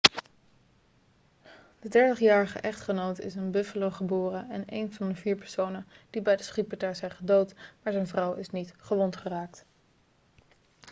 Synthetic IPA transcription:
d̥ədɛɹtəχjaːɹəχə̰ʔɛχtχənowtɪ̰sənbɵfəlowχəbʊːrəɛ̰nḛjnvɑndəviːɹpɛɹsownənd̥ibɛjdəsχipətaːɹzɛjχədowtmaːɹzɛjnvrʌwɪsnitχəʋɔntχəraːk̚t

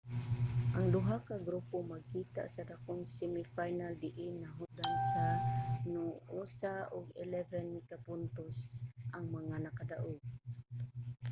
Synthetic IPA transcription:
ʔaŋd̪ʊɦakaɡɾupomaɡ̚kit̪a̰ʔsad̪akʊŋsɛmifajnald̪ɪʔɪnaɦʊd̪ansanʊʔusaʊɡɛ̰lɛvɛnmɪkapʊnt̪osʔaŋmaŋanakad̪aʔʊɡ̚

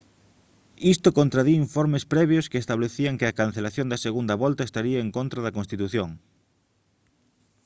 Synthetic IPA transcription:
ist̪okõnt̪ɾaðiiɱfoɾmespɾɛβ̞joskeːst̪aβleθiaŋkeɐkan̟θelaθjõnd̪ɐseɣund̪ɐβɔlt̪ɐest̪aɾiɐeŋkont̪ɾaðɐkonst̪it̪uθjoŋ

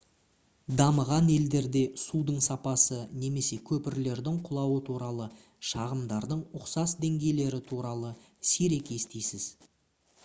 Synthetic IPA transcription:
d̪ɑməʁɑne̞ld̪e̞ɾd̪e̞sud̪əɴsɑpɑsəne̞me̞se̞kʲʰɵpɪɾle̞ɾd̪ɪŋqʰʊlˠɑwət̪ʰuɾɑlˠə | ʃɑʁəmd̪ɑɾd̪əɴʊqsɑsd̪e̞ŋɡʲe̞jle̞ɾɪt̪ʰuɾɑlˠə | seɾe̞kʲe̞st̪ejsɪz̥

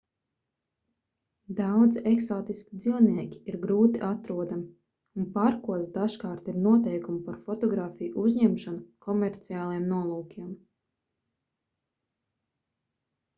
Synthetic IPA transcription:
d̪awd̪ziʔeksoːt̪iskʲid̪ziwniɛkʲi̥iɾɡɾuːt̪iʔat̪ɾuɔd̪am | unpaɾkuɔsd̪aʃkaːɾt̪iɾnuɔt̪ɛjkumpaɾfɔt̪ɔɡɾaːfijuʔuzɲɛmʃanukɔmɛɾt̪siaːlˠiɛmnuɔlˠuːkʲiɛm

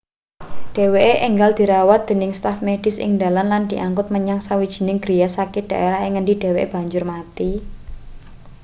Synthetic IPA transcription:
ɖ̥e̤weʔeʔeŋɡald̪̥i̤ɾawat̪̚d̪̥e̤nɪŋst̪afmeɖ̥ɪ̤sɪ̰ŋd̪a̤lanland̪̥i̤ʔaŋkʊt̪̚məɲaŋsawid̥ʒ̥i̤nɪŋɡɾijasakɪd̥a̤ʔeɾaɦɪŋːəndid̥e̤weʔeb̥ä̤ɲd͡ʒʊrmat̪i

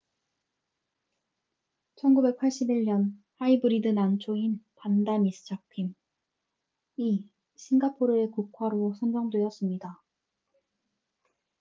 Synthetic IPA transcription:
t͡ɕʰʌnɡube̞k̚pʰaɭɕ͈ibiɭɲʌnhaibɯɾidɯnant͡ɕʰoinpandamisʰɯ̥t͡ɕʰapʰim | i | ɕʰinɡapʰoɾɯe̞kukʰwaɾosʰʌnd͡ʑʌŋdwe̞ʌs͈ɯmɲida

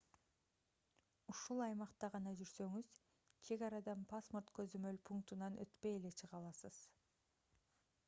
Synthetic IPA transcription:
uʃulˠɑjmɑqt̪ɑʁɑnɑd͡ʒyɾsø̞ŋyz | t͡ʃʰe̞ɡɑɾɑd̪ɑnpʰasmort̪kø̞zømø̞lpʰuŋk̚t̪unɑnʔø̰t̪pe̞je̞le̞t͡ʃʰɯʁɑlˠɑsɯz̥

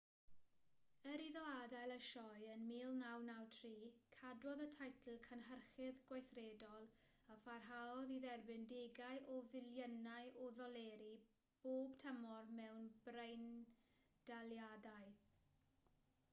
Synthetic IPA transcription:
əɾiðɔadajlˠəʃɔjənmiːlˠnawnawtʰriːkʰadwɔðətʰajtʰl̩ˠkʰanɦərχɪðɡwajθreːdɔlˠ | afarɦaɔðiðɛrbɪndeɡajʔɔvɪljənajʔɔðɔlˠɛːɾi | b̥oːb̥tʰəmɔrmɛwnb̥rejn | d̥aljadaɨ

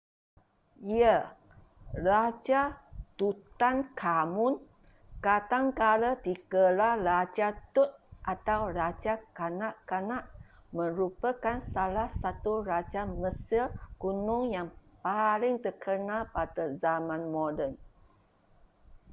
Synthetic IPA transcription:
iə | lat͡ʃat̪ut̪ankʰamʊn | kat̪aŋkalət̪ikəlalat͡ʃat̪ut̪̚ʔat̪awrat͡ʃakanaʔkanaʔmə̃ɾupəkansalahsat̪uɾat͡ʃaməsilkunʊŋjaŋpalɪŋt̪əkʰənalpatəzamãnmodən

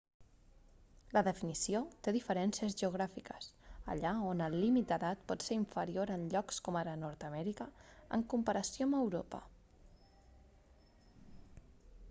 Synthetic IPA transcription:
ləðəfinisiot̪eðifəɾɛnsiəzʒəuɣ̞ɾafikəsə̰ʎaonəlˠːimit̪̚d̪əðat̪̚pɔt̪seɾiɱfəɾioɾənʎɔkskɔmaɾənɔɾt̪əmɛɾikəə̰ŋkumpəɾəsjoməwɾopə̰

